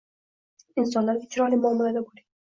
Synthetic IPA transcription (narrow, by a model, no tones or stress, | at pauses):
ɪns̬ɒnlaɾɪt͡ʃʰɾɒlɪmʊɒmalad̪abolɪ